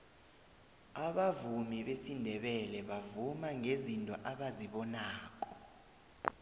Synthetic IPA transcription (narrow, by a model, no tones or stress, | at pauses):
aɓavumiɓesindʱɛɓɛlɛɓavumaŋʱezintʼɔ̰ʔaɓaziɓɔnaːk̬ʼɔ̥